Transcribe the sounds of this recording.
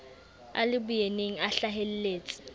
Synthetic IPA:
a̰lɪbʊjeneŋ̩aɬaɦel̩leːt͡sʼɪ̥

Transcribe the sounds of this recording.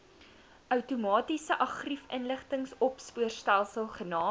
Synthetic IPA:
ʔœwtumɑːtisəʔɑχrifənləχtəŋsɔpspuərstælˠsəlˠχənɑː

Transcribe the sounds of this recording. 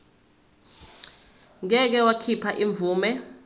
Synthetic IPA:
ŋ̬ɛk̬ɛwakʰipʰaʔiɱb̪vuːmɛ

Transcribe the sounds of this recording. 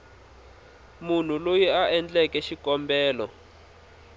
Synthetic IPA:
mun̤ulojiaʔɛnd͡ɮɛkɛʃikɔmbɛːlɔ

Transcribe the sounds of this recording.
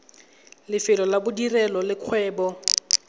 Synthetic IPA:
lɪfɪlɔlabʊdirɛlɔlɪkʰwɛːbɔ

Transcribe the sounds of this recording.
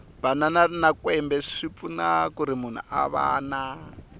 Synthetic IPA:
b̥ananarnakwɛmbɛʂip̪funakuɾimun̤ṵa̰βa̰ːna

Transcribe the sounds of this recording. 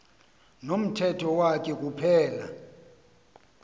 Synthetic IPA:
nom̩tʰɛtʰɔwak̬ʰʼɛk̬ʼupʰɛːla̰

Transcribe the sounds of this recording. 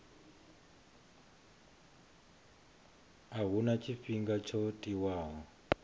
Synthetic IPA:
aɦunat͡ʃʰifiŋɡat͡ʃʰotʼiwaːɦɔ

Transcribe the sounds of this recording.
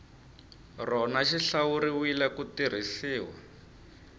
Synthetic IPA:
rɔnaʃiɬawuɾiwilɛkutir̤isiːwa̰

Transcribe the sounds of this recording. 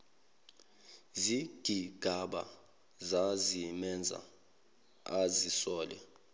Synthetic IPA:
ziɡ̥ʱiɡ̥ʱaɓa̰ | zazimɛnd͡zʱa̰ | azisɔːlɛ̰

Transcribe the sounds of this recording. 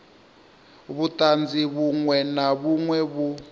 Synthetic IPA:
βutʼand͡zʱiβuŋwɛnaβuŋwɛβu

